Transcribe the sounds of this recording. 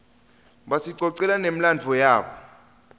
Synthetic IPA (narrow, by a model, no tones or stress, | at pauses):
ɓasiǀɔǀɛlanem̩land͡vʱɔjaːɓɔ